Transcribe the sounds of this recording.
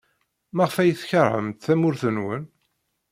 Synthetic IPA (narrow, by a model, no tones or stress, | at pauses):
mæʁfæjəθçəɾˤʕə̰mt̪θæmʊɾθənwə̰n